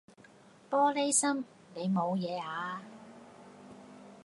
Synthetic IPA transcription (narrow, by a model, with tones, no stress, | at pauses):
pɔː˥le˥jsɐ˥m | ne˨˧jmo˨˧wjɛː˨˧aː˨˧˥